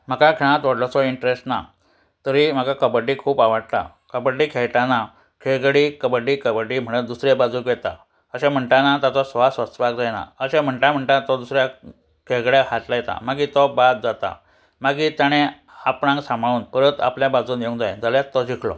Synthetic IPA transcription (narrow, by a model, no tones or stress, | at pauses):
m̤əkakʰɛɽ̃ãt̪ʋəɽlɔt͡sɔiɳʈɾesʈna̰ | t̪əɾim̤akakəbəɖikʰuːpaʋaɽt̪a̰ | kəbəɖiːkʰeɭʈana | kʰeɭɡɭikəbəɖiːkəbəɖiːm̤əɽ̃ət̪̚d̪usɾebad͡zuːkjɛt̪a̰ | əɕãm̤əɳʈanat̪at͡s̪ɔsʋasʋəst̪əʋak̚d͡zajna̰əɕãm̤əɳʈam̤əɳʈ̪at̪ɔd̪usɾja | kʰeɡɭjahat̪lajɛt̪a̰maɡit̪ɔbad̪̚d͡zat̪a̰ | maɡit̪jaɽ̃ẽ | apɽãŋɡsãmɭuːnpəɾət̪a̰pljabad͡zuːnjeũŋd͡zajd͡zalat̪ːɔd͡ʑikʰlɔ̰